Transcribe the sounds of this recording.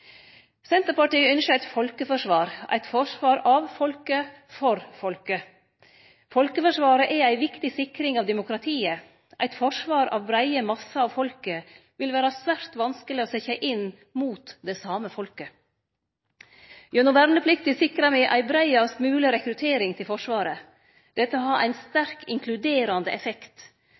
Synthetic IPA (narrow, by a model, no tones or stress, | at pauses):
sɛnt̪əɾpɑʈiːəœnʃəæɪt̪fɔlkəfɔʂʋɑːɾʔæ̰ɪt̪fɔʂʋɑːɾɑʋfɔlkə | fɔɾfɔlkə | fɔlkəfɔʂʋɑːɾəʔɛæɪʋɪkt̪ɪsɪkɾɪŋɑːʋd̪ɛmʊkɾɑt̪ʰiːə | ʔæɪt̪fɔʂʋɑːɾɑ̰ʋbɾæɪəmɑsːɑɑʋfɔlkə | ʋɪlʋæːɾɑsʋæɾt̪ʋɑnskəlɪɔːsɛçɑʔɪnː | muːt̪d̪ɛsɑːməfɔlkə | jœnʊʋæɾnəpʰlɪkt̪ɪsɪkɾɑmɛʔæ̰ɪbɾæɪɑsmʉːlɪɾɛkɾʉt̪ʰeːɾɪŋt̪ʰɪlfɔʂʋɑːɾə | d̪̥ɛt̪ːəɔɦɑɾʔæ̰ɪnst̪æɾkɪŋkʰlʉd̪eːɾɑnd̪əʔɛfɛkt̪